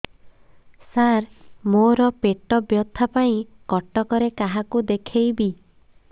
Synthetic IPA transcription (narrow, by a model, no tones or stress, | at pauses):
saɾmoɾɔpeʈɔbjɔt̪ʰapaĩ | kɔʈɔkɔɾekaɦakud̪ekʰejbi